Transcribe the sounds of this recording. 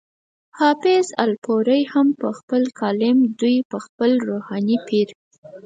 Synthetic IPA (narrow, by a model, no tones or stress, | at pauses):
hɑfɪzalpoɾəjhampəxpəlkʰɑlɪmd̪ujpəxpəlɾohɑnipiɾ